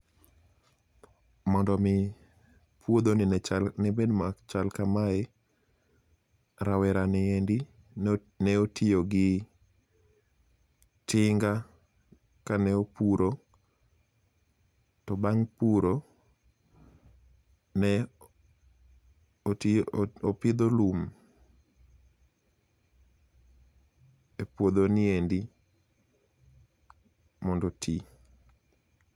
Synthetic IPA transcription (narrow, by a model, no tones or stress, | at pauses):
mɔndɔmɪ | pwod̪oninɛt͡ʃanɛbedmat͡ʃalkamaɛ | ɾawɛɾanɛendi | nɛotioɡɪ | tʰɪŋɡa | kanɛopuɾo | tɔbaŋpuɾo | nɛ | opɪd̪olum | epwod̪oniendi | mɔndɔtʰi